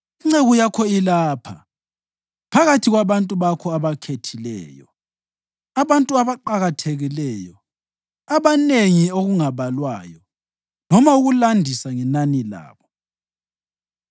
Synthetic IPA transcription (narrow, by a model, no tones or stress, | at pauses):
iŋ͡ǀeɣujakʰɔilaːpʰa | pʰaɣatʰiɣwaβantʼuβakʰɔaβakʰetʰilɛ̰ːjɔ | aβantʼuaβaǃaɣatʰeɣilɛːjɔ | aβaneŋioɣuŋaβalwajɔ | nɔmauɣulandʱisaŋɛnanila̰ːβɔ